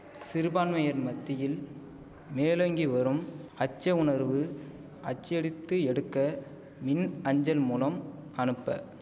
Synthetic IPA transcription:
sɪɾɯbaːnmɐjɐɾmɐt̪ːɪjɪl | meːlɐŋɡiʋɐɾɯmɐt͡ʃːɐʊɳɐɾʋɯ | ʔɐt͡ʃːɛɽɪt̪ːɯɛɽɯkːɐ | mɪnɐɲd͡ʒɐlmuːlɐm | ɐnɯpːɐ̰

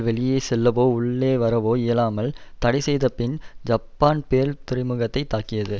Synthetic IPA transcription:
ʋɛɭɪjeːsɛlːɐʋoːʊɭːeːʋɐɾɐʋoːɪjɐlaːmɐlt̪ɐɽɪsɛjðɐpɪnd͡ʒɐpːaːnpeːɾt̪ɪɾɪmɯɣɐt̪ːɐɪt̪ːaːkɪjɐðɯ

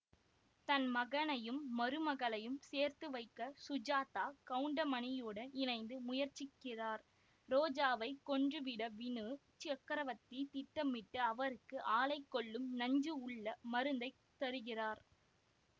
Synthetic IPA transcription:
t̪ɐnmɐɣɐnɐjɯmːɐɾɯmɐɣɐɭɐjɯmseːɾt̪ɯʋɐɪkːɐsʊd͡ʒaːt̪aːkɐɯɳɖɐmɐnɪjuːɽɐnɪnɐɪnd̪ɯmʊjɐɾt͡ʃːɪkːɪraːɾ | ɾoːd͡ʒaːʋɐɪkːɔɳdrɯʋɪɽɐʋɪnɯ | t͡ʃɪɐkːɐɾɐʋɐt̪ːit̪ɪʈːɐmɪʈːɯɐʋɐɾɯkːɯʔaːlɐɪkːɔɭːɯmnɐɲd͡ʒɯʊɭːɐmɐɾɯnd̪ɐɪ | t̪ːɐɾɯɣɪraːɾ

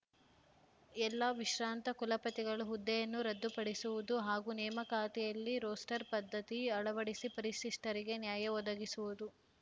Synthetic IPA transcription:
ɛlːɐʋiʃɾaːnt̪ɐkulɐpɐt̪iɡɐɭuɦud̪ːɛjɐnːuɾɐd̪ːupɐɽisuʋud̪uɦaːɡunɛːmɐkaːt̪ijɐlːiɾoːsʈɐɾpɐd̪ʱːɐt̪iɐɭɐʋɐɽisipɐɾiʂiʂʈɐɾiɡe̞njaːjɐɔd̪ɐɡisuʋud̪u

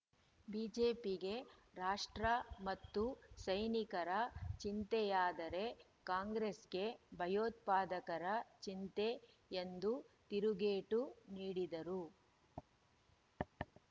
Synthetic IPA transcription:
biːd͡ʒeːpiɡe̞ɾaːʂʈɾɐmɐt̪ːusɐjnikɐɾɐt͡ʃint̪ɛjaːd̪ɐɾe̞ | kaːŋɡɾesɡe̞bʱɐjoːt̪̚paːd̪ɐkɐɾɐt͡ʃint̪e̞ | end̪ut̪iɾuɡeːʈuniːɽid̪ɐɾu

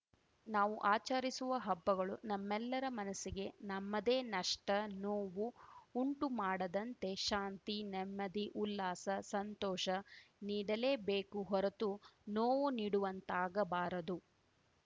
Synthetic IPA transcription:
naːʋuʔaːt͡ʃɐɾisuʋɐɦɐbːɐɡɐɭunɐmːɛlːɐɾɐmɐnɐsiɡe̞nɐmːɐd̪e̞ːnɐʂʈɐnoːʋuuɳʈumaːɽɐd̪ɐnt̪e̞ʃaːnt̪inɛmːɐd̪iʔulːaːsɐsɐnt̪ɔːʃɐniːɽɐle̞ːbeːkuɦɔɾɐt̪unoːʋuniːɽuʋɐnt̪aːɡɐbaːɾɐd̪u

